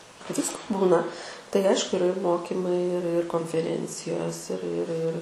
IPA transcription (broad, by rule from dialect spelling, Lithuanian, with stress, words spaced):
ˈʋʲɪskoː ˈbuːnɐ tɐɪ ˈɐɪʃkʊ ɪˈrɐ ɪr ˈmoːkʲiːmɐɪ ɪr ɪr koːnʲfʲɛˈrʲɛnʲt͡sʲɪjoːs ɪr ɪr ɪr